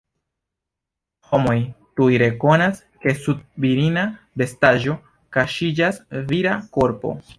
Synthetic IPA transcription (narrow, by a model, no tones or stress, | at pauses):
homo̞jtujɾe̞ko̞nas | ke̞sud̚viɾina | be̞staʒo̞ | kaʃid͡ʒasviɾako̞ɾpo̰